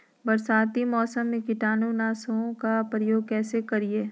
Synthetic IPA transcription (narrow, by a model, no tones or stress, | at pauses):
bɐɾsaːt̪imɔːsəmːẽkɪʈaːnunaːsõkapɾəjoːɡ̚kɛːsekɐɾieː